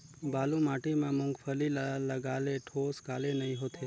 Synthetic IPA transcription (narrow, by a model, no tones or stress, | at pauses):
balũmaʈimãmʊ̃ŋɡfʰəlilaləɡaleʈʰoskalenəɦĩɦot̪ʰe